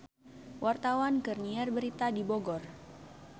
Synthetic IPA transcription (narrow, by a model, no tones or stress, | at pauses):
wʔart̪awankərniɛrbəɾit̪adiboɡɔr